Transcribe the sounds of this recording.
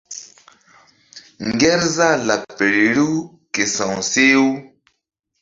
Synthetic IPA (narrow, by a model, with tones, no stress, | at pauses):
ŋɡɛ˦ɾza˦˨la˨k̚pe˨ɾi˨ɾu˦ | ke˨sã˨wse˦u˦